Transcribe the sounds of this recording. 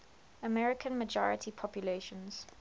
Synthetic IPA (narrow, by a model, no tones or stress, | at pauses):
əmɛɹɪkʰə̃nməd͡ʒɔ̰ɹɪ̰tʰipʰɔpʰjuleːʃə̃nz̥